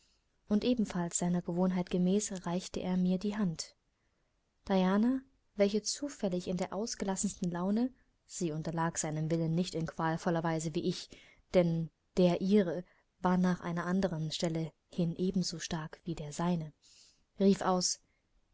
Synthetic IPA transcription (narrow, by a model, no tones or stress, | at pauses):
ʔʊntʔeːbm̩falsz̥aɪnɐɡəvoːnɦaɪtɡ̥əmɛːsʁaɪçtəʔḛːɐmiːɐdiːɦant | d̥ajaːna | vɛlçət͡suːfɛlɪçɪndeːɐʔaʊsɡ̥əlasn̩stn̩laʊnə | z̥iːʊntɐlaːkz̥aɪnəmvɪlənːɪçtɪnkv̥aːlfɔlɐvaɪzəviːʔɪç | d̥ɛn | d̥eːɐʔiːʁə | vaːɐnaːχʔa̰ɪnɐʔandəʁənʃtɛlə | hɪnʔeːbm̩zoːʃtaɐkv̥iːdeːɐzaɪnə | ʁiːfʔaʊs